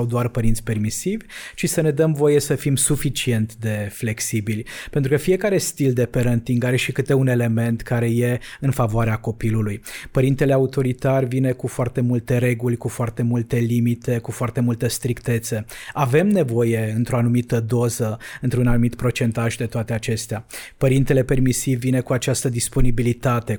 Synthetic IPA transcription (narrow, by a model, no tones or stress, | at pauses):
awd̪oarpəɾint̪sʲpe̞rmisivʲt͡ʃisəne̞d̪əmvo̞je̞səfimsufit͡ʃie̞nt̪d̪e̞fle̞ksibilʲpent̪ɾukəfije̞kaɾe̞st̪ild̪e̞pe̞ɾənt̪iŋɡaɾe̞ʃikɨt̪e̞une̞le̞me̞nt̪kaɾe̞je̞ɨnfavoaɾeako̞pilulujpəɾint̪e̞leaut̪o̞ɾit̪arʲvine̞kufoart̪e̞mult̪e̞ɾe̞ɡulʲkufoart̪e̞mult̪e̞limit̪e̞kufoart̪e̞mult̪əst̪ɾikt̪e̞t̪səave̞mne̞vo̞je̞ɨnt̪ɾo̞anumit̪əd̪o̞zəɨnt̪ɾunanumit̪pɾo̞t͡ʃe̞nt̪aʒd̪e̞t̪oat̪e̞at͡ʃe̞st̪eapəɾint̪e̞le̞pe̞rmisivːine̞kuat͡ʃast̪əd̪ispo̞nibilit̪at̪e̞